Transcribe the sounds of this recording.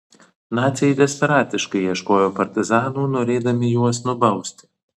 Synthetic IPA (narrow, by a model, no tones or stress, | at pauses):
nɑːt̪sʲɪjɛd̪ʲɛsʲpʲɛɾɑːt̪ʲɪʃkɐɪiɛʃkoːjoːpɐɾʲt̪ʲɪzɑːnuːnoːɾʲeːd̪ɐmʲɪjuɔsnʊbɐʊsʲt̪ʲɪ̥